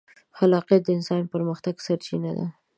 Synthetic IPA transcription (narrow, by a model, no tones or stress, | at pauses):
xalɑqjat̪̚d̪əɪnsɑnpəɾməxt̪aɡsaɾt͡ʃinad̪a̰